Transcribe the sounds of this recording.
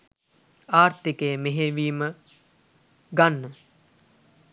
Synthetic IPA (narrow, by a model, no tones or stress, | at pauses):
aːrt̪ikejəmeɦeʋiːmə | ɡanːə